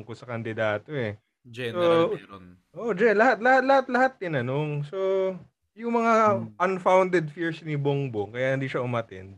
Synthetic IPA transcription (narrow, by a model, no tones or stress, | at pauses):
ŋkosɐkɐnd̪ɪd̪aːt̪o̞ɛ | d͡ʒɛso | ʔoːʔd͡ʒɛnlɐhat̪lɐhat̪̚lhat̪lɐhat̪̚ːɪnɐno̞ŋso̞ | jʊŋmɐŋaʔɐnfawnd̪ɛd̪fiɹsnɪboŋboŋkɐjanɪnd̪iːʃɐʔʊmɐt̪ɛ̰nd̪̚